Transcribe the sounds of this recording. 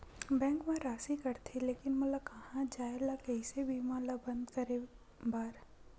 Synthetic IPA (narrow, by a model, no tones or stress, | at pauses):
bɛ̃ːŋkmãɾaːsikɐɾt̪ʰileːkɪnmɐləbkɐɦãd͡ʒaːelakɛɪsebʱiːmãːlabɐ̃nd̪kɐɾe | baːɾ